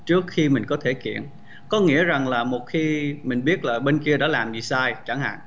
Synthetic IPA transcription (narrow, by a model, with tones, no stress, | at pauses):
t͡ɕɨ˦˥ək̚xi˧mï˨˩ŋ̟kɔ˨˦t̪ʰe˧˩kḭ˧˨ən | kɔ˨˦ŋḭ˧˥əza˨˩ŋlaː˨˩mo˨˩t̚xi˧mï˨˩ŋ̟ɓi˦˥ət̚laː˨˩ɓe˧nki˧əɗa̰ː˧˥laː˨˩mzi˨˩saː˧jt͡ɕa˧˩ŋɦa̰ː˧˨ŋ